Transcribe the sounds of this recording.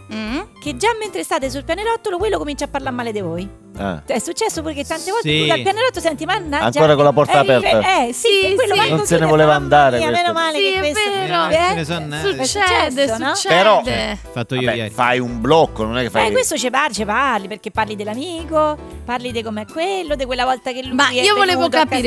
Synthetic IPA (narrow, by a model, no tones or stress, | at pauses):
k̟ed͡ʒːamːent̪ɾest̪aːt̪es̬ulpjaneɾɔt̪ːolokwelːokomint͡ʃapːaɾlarmaːled̪ivoj̰ | ɛ̰ɛsːut͡ʃːɛsːopuɾeket̪ːant̪ekɔːzeualpjanːeɾɔt̪ːosɛnt̪imanːaa̰ŋd͡ʒoːɾakolapɔɾt̪aːpɛɾɛsiwelːoanosenevoleːvaand̪aːɾeamːeːnomaːlekːeseɾoɛesɔuɛssut͡ʃːɛsd̪onɔt͡ʃt͡ʃːpeɾɔd̪fat̪ːaibɛfajumblɔkːononɛkːefakkwest̪ot͡ʃepart͡ʃeparliperk̟epːarlid̪elamiːkoparlid̪ekomeɛkːwelːod̪ekwelːavɔlt̪akelːumaɛiːooleːvokapki